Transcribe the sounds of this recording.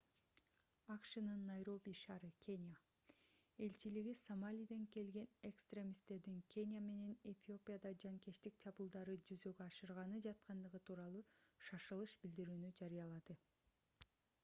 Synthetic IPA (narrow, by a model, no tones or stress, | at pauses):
ɑqʃɯnɯnːɑjɾo̞bʲiʃɑːɾɯkʲʰe̞nʲja | e̞lt͡ʃiliɡisomalʲijd̪eŋke̞lɡe̞ne̞kst̪rʲe̞mʲist̪e̞ɾd̪iŋkʲʰe̞nʲijame̞ne̞ne̞fʲio̞pʲijad̪ɑd͡ʒɑŋke̞ʃt̪ikt͡ʃʰɑbulˠd̪ɑɾɯd͡ʒyzø̞ɡøɑʃɯɾʁɑnɯd͡ʒɑt̪̚qɑnd̪ɯʁɯt̪ʰuːɾɑlˠuːʃɑʃɯlˠɯʃbild̪iɾyːnyd͡ʒɑɾijɑlˠɑd̪ɯ